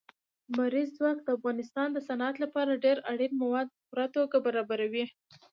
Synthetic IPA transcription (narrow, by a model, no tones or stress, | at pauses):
maɾizzwɑkd̪əafɣɑnɪst̪ɑnd̪əsanat̪lapɑɾaɖeɾaɽinmawɑd̪̚pəpuɾat̪oɡabaɾɑbaɾawi